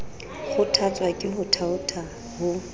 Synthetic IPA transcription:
χʊtʰat͡sʼwakʼɪɦʊtʰaʊtʰa | hʊ

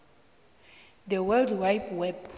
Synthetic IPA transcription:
d̪əwɛldwajbwɛb

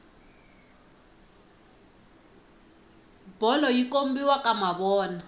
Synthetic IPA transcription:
b̥ɔlɔjikombiwakamaβɔːna

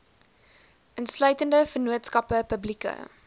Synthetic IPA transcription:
ʔənslœɥtəndəfərnuətskɐpəpəblikə̰

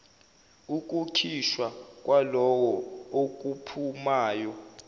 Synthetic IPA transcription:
uk̬ʼukʰiʃwak̬ʼwalɔwɔok̬ʼupʰumaːjɔ

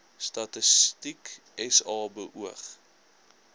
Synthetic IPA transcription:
stɐtəstik | ɛsɑːbəʔuəχ

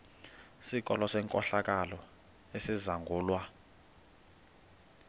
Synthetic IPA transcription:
sik̬ʼɔlɔsɛŋkʼɔɬak̬ʼalɔ | esizaŋɡʱuːlwa

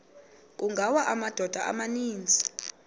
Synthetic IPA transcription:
kuŋɡʱawaʔamad̥ʱɔd̥ʱaʔa̰maniːnd͡zʱi̥

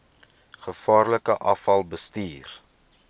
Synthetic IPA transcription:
χəfɑːrləkəʔɐfɐlˠbəstiːr

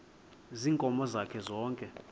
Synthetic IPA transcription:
ziŋkʼɔmɔzakʰɛzɔːŋkʼɛ

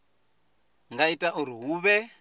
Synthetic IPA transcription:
ŋɡaitʼaʔuɾiɦuːβɛ

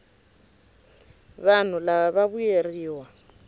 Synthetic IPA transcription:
βan̤ulaβaβaβujeriːwa

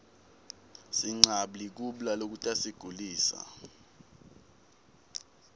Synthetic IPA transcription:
siŋ͡ǀaɓlik̬uɓlalok̬utʼasiɡ̥ʱuliːsa̰

